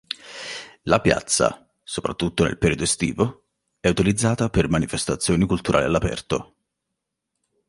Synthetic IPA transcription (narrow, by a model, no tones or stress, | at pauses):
lapja̰t̪sːa̰ | sopɾat̪ːut̪ːonḛlpeɾiːod̪oest̪ḭːvo | ɛut̪ilid̪zːaːt̪apermanifest̪at̪sːjoːnikult̪uɾʔa̰ːlialːapɛ̰rt̪o